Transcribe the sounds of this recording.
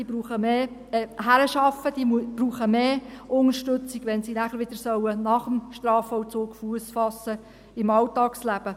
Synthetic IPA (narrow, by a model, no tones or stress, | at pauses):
iːbɾuːχəmeː | ɦæɾəʃɑfəd̥iːmb̥ruːχəmeːʊnəɾʃtɵt͡siɡʋɛnsinæχəɾʋɪd̥̪əɾsœwənɑχəmʃtɾɑːfɔwt͡soːkfuəsfɑsːə | ɪmɑltɑːkslæb̥ə